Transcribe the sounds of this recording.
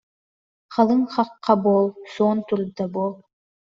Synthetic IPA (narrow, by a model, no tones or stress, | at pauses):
χɑlˠɯɴχɑqːɑboːlˠsoːnt̪uɾd̪ɑboːlˠ